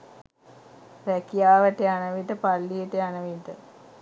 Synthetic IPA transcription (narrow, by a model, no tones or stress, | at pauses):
ɾɛkijaːʋəʈeanəʋit̪əpalːijeʈeanəʋid̪ə